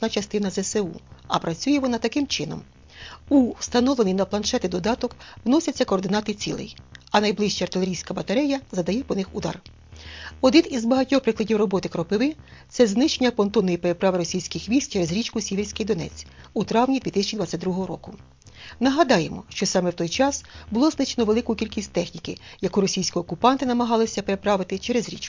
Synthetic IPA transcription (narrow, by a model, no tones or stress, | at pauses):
nɑt͡ʃɐst̪ɪnɐzɛseṵɐpɾɐt͡sʲujɛʋɔnɑt̪ɐkɪmt͡ʃɪnɔ̰m | ust̪ɐnɔʋlenɪjnɐplˠɐnʃɛt̪ɪd̪ɔd̪ɑt̪ɔkʋnɔsʲɐt͡sʲːɐkɔːrd̪ɪnɑt̪ɪt͡sʲḭlˠɪ̰jɐnɐjblˠɪʃt͡ʃɐɐrt̪ɪlʲeɾʲijsʲkɐbɐt̪ɐɾɛjɐzɐd̪ɐjɛpɔnɪxud̪ɑ̰r | ɔd̪ɪt̪izbɐɦɐtʲɔxpɾɪklˠɐdʲiwrɔbɔt̪ɪkɾɔpɪʋɪt̪sɛznɪʃt͡ʃenʲɐpɔnt̪ɔnɔjipeɾepɾɑʋɪɾɔsʲijsʲkɪxʋʲisʲtʲt͡ʃeɾezɾʲit͡ʃkʊsʲiʋʲirʲsʲkɪjd̪ɔnɛ̰t͡sʲ | ut̪ɾɑwnʲid̪ʋʲit̪ɪsʲɐt͡ʃid̪ʋɑt͡sʲːɐt̪̚ʲd̪ɾuɦɔɦɔɾɔkʊ | nɐɦɐd̪ɑjemɔ̰ʃt͡ʃɔsɑmɛwt̪ɔjt͡ʃɑsbʊlˠɔznɪt͡ʃenɔʋe̞lˠɪkʊkʲilʲkʲisʲtʲt̪ɛxnʲikɪ̰jɐkuɾɔsʲijsʲkʲiɔkupɑnt̪ɪnɐmɐɦɑlˠɪsʲɐpeɾepɾɑʋɪt̪ɪt͡ʃeɾezɾʲḭt͡ʃkʊ̥